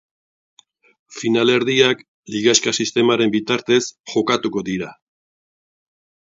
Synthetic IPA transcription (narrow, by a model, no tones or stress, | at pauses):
finale̞ɾðiak | liɣaskasist̪e̞maɾe̞mbit̪aɾt̪e̞sʝo̞kat̪uko̞ðiɾa